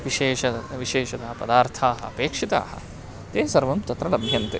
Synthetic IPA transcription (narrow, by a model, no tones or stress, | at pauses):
ʋiʃeːʃɐʋiʃeːʃɐt̪ɐɦɐpɐd̪aːɾt̪ʰaːɦɐ̰ɐpeːkʂit̪a̰ːɦɐ̰̆ | t̪eːsɐɾʋɐmt͡ʃɐt̪ɾɐlɐbbʱjɐnt̪e